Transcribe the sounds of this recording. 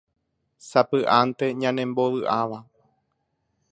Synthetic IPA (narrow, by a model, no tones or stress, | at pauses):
sapɨʔant̪e̞ɲãnẽ̞mbo̞ʋɨʔaʋa